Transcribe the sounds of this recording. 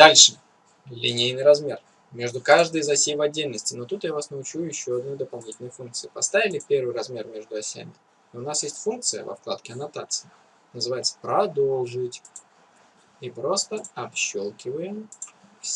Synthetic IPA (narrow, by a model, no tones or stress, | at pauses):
d̪alʲʂɨ | lʲɪnʲejnɨjɾɐzmʲe̞r | mʲe̞ʐd̪ʊkaʐd̪əjzɐsʲijvɐdʲːelʲnəsʲtʲɪno̞t̪ut̪javasnəʊt͡ɕujɪɕːoɐd̪no̞jd̪əpɐlˠnʲitʲɪlʲnəjfunk̪̚sɨjɪpɐst̪avʲɪlʲɪpʲe̞rvɨjrɐzmʲe̞rmʲe̞ʐd̪ʊɐsʲa̰mʲɪ | iʊnasjesʲtʲfunk̚t̪sɨjə̰vɐ̰fklˠa̰t̪kʲɪɐnɐt̪a̰t̪sɨ̥ɪ | nəzɨvajɪt̪sə̥pɾɐd̪olˠʐɨtʲ | ipɾo̞st̪əɐpɕolˠkʲɪvəjəmfʲ